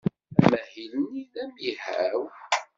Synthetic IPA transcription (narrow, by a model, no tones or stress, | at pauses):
æmæhiluniðæmihæw